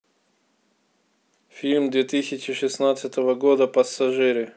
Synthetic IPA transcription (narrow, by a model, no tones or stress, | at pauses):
fʲilʲmd̪vʲet̪ɨsʲɪt͡ɕɪʂɨsnat̪sɨt̪əvəɡod̪əpəsːɐʐɨɾɨ